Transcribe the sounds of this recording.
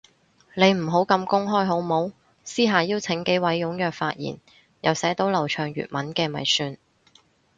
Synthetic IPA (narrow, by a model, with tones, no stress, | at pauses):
ne˨˧jm̩˨˩ɦo˨˥wkɐ˧mkʊ˥ŋɦɔː˥jɦo˨˥wmo˨˥w | siː˥ɦaː˨jiː˥wt͡sʰɪ˨˧˥ŋke˨˥wɐ˨˥jːʊ˨˧˥ŋjœː˨k̚faː˧t̚jḭː˨˩n | jɐ˨wsɛː˨˥t̪o˨˥wlɐ˨˩wt͡ʃʰœː˨˩ŋjy̰ː˨t̚mɐ˨˥nkɛː˧mɐ̰˨˩jsyː˨˧n